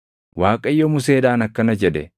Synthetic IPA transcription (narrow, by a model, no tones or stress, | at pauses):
waːkʼɐɪjːomʊs̬eːd̪aːnɐkːɐnɐd͡ʒɛd̪ɛ̰